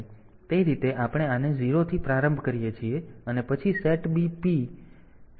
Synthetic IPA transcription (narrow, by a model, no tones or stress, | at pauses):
t̪eɾit̪eʔapɽ̃eaned͡ʒiɾot̪ʰipɾaɾəmbʱkəɾijet͡ʃʰieənepət͡ʃʰiseʈbipi